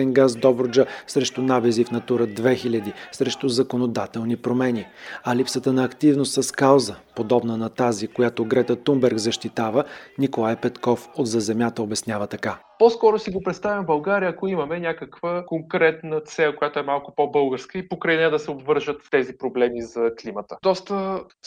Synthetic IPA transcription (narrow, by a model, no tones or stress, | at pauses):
ɛnɡazd̪ɔbɾod͡ʒəsɾɛʃt̪ʊnabɛzifnɐt̪uɾəd̪vɛxilʲəd̪isɾɛʃt̪ʊzɐkonod̪at̪ɛlˠnipɾomɛniɐlipsət̪ənɐːkt̪ivnost̪sɐskawˠzəpod̪ɔbnənɐt̪azikojat̪oɡɾɛt̪ət̪umbɛɾɡzɐʃt̪it̪avənikolˠajpɛt̪kɔfod̪zɐzɛmʲjat̪əobɛsnʲavət̪ɐka | poskɔɾosiɡopɾɛt̪st̪avʲimbɐlˠɡaɾijəɐkoimɐmɛnʲakəkvəkoŋkɾɛt̪nət̪sɛkojat̪oɛmalˠkʊpobɤlˠɡəɾskəipokɾɐjnɛad̪ɐsɛobvɤɾʒət̪ft̪ɛzipɾoblɛmizɐklimət̪əd̪ɔst̪ə